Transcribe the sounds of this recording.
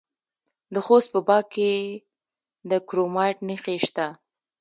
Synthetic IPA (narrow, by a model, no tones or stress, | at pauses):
d̪əxost̪̚pəbɑke | d̪əkɾomɑjʈnixeʃt̪a